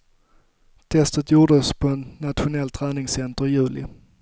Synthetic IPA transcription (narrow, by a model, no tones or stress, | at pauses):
t̪ʰɛst̪ət̪juːɖəspʰɔɛnːat̪ɧʊnɛlt̪ʰɾæːnɪŋsɛnt̪əɾɪjʉ̟ːlɪ̰